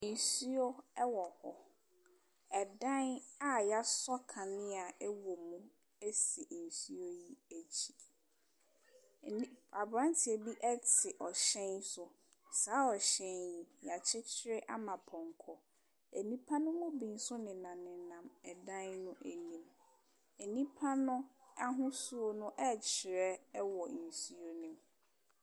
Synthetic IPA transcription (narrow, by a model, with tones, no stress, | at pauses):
n̩˨su˦o˦ɛ˦wɔ˨hɔ˨ | ɛ˨dã˦na˦ja˦sɔ˦kʰã˨nɪ̃˦a˨ɛ˦wɔ˨mũ˦ | e˦si˨n̩˨su˦o˦ji˦æ˨t͡ɕʰi̥˨˦ | a˨bɾã˦ntʰɪ˨e˨bi˦ʔɛ˦tʰɪ˨ʔɔ˨ɕɛ̃˦nsʊ˨ | saː˨˦ɔ˨ɕɛ̃˦nji˨ja˨t͡ɕʰɪ˦t͡ɕʰɪ˦ɾɪ˦ʔa˦mã˨pʰɔ̃˨ŋ˨kʰɔ˨ | æ˨nĩ˦pʰa˦nʊ̃˦mʊ̃˦bĩ˨n̩˦sʊ˦nɪ̃˨nã˨mnɪ̃˨nã˨mɛ˨dã˦nnʊ̃˦ʔæ˨nĩ˨m | ɛ˨nĩ˦pʰa˦nʊ̃˦a˦ɦʊ̃˦su˦o˨nʊ̃˦ʔɛ˦t͡ɕʰɪ˨ɾɛ˦wɔ˨n̩˨su˦o˦nĩ˨m